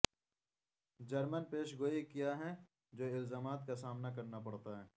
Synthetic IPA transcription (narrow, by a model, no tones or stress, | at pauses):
d͡ʒɐɾmənpeːʃɡoːikijaɦɛ | d͡ʒoːɪlzaːmaːt̪kasaːmnakɐɾnapɐɽt̪aɦɛː